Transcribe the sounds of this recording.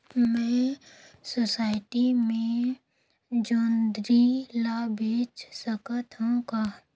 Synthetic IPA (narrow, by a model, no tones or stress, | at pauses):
mɛ̃ | sosaːɪʈimẽ | d͡ʒoːnd̪ɾilabʱeːt͡ʃsəkət̪ɦõka